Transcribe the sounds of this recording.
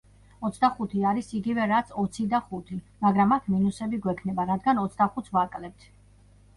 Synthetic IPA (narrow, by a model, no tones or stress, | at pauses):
ɔt̪sʰd̪aχut̪ʰiaɾisiɡivɛɾat̪sʰɔt̪sʰid̪aχut̪ʰi | maɡɾamakʰminusɛbiɡwɛkʰnɛbaɾad̪ɡanɔt̪sʰd̪aχut̪ʰvakʼlɛp̚t̪ʰ